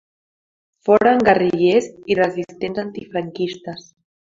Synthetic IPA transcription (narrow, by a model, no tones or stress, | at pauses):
fɔɾaŋɡariʎezirəzist̪enzant̪ifɾaŋkist̪əs